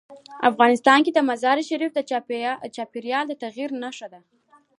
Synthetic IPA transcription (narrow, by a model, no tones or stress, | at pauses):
a̰fɣɑnɪst̪ɑnked̪əmazɑɾiʃaɾifd̪ət͡ʃɑpiɾjɑld̪ət̪aɣiɾnaʂad̪a